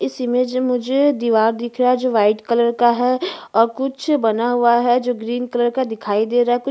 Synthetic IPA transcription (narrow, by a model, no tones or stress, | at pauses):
ɪsimẽd͡ʒmʊd͡ʒʱed̪iːʋaːɾd̪ɪkʰɾɐaɦɛd͡ʒoːʋaːɪʈkɐləɾkaɦɛɔːɾkʊt͡ʃʰbɐnaɦuaɦɛd͡ʒoːɡɾiːnkɐləɾkad̪ɪkʰaːid̪eːɾaːɦɛkʊ